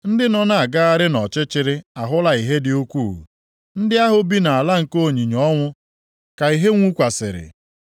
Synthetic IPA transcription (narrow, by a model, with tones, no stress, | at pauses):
n̩˦dɪ˦nɔ˦na˨a˨ɡa˦a˦ɾɪ˦nɔ˨t͡ʃɪ˦t͡ʃɪ˦ɾɪ˦a˨ɦʊ˦la˨i˨ɦe˦dɪ˨o˦kʷuː˦˨ṵ˨ | n̩˦dɪ˦a˦ɦʊ˦bi˦na˨a˨la˦ŋ̩˨ko˦˨ɲi˨ɲɔ˦ŋʷʊ˦ | ka˨i˨ɦe˦ŋʷu˦kʷa˨sɪ̰˨ɾɪ̰˨